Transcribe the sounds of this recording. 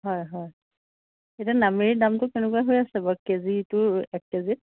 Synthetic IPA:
ɦɔjɦɔj | etianameidamtʊkɛnɛkuaɦojasɛbakezitʊɛk̚kezit̚

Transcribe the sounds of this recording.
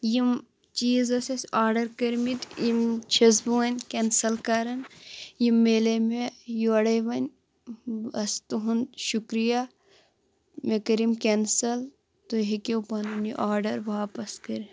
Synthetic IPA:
jim | t͡ʃiːzɐsɐsaːɾɖɐɾkɐɾmit̪imt͡ʃʰɐzbuɐnʲkensɐlkaɾɐnjimːeːlemejuɐɽɐjʋɐnʲ | ɐst̪uɦunʃukɾija | mekɐɾimkensɐl | t̪oɦikewpɐnɐnjiʔaːɾɖɐɾʋaːpɐskɐɾi

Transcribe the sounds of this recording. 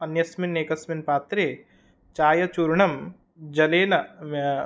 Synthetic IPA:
ɐnjɐsmineːkɐsminpaːt̪ɾeː | t͡ʃaːjɐt͡ʃuɾɳɐm | d͡ʒɐleːnɐm

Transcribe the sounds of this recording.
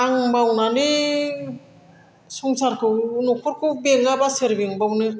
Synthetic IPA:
aŋbawnani | sɔŋsaɾkʰɯwnɔkʰɔɾkʰɯwbeŋabaseɾbiŋbawnɯ

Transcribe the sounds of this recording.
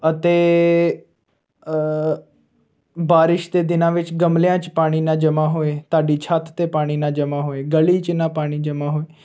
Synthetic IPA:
ət̪eː | baːɾɪʃd̪eːd̪ɪnãːʋɪt͡ʃɡəmljãːt͡ʃpaːɽ̃iːnãːd͡ʒəmãːɦoːeːt̪aːɖiːt͡ʃʰaːt̪t̪eːpaːɽ̃iːnãːd͡ʒəmãːɦoːeːɡəliːt͡ʃnãːpaːɽ̃iːd͡ʒəmãːɦoːeː

